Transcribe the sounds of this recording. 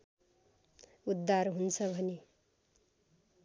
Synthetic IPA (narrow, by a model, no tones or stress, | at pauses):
ud̪ːarɦunt͡sʰʌbʱʌne